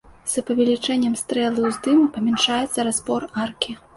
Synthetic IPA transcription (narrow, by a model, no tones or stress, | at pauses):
z̥ɐpɐvʲɛlʲit͡ʂɛnʲːɛmst̪ɾɛlˠuwzd̪ɨmpɐmʲɛnʂajɛt̪sːɐɾazbɔrarkʲi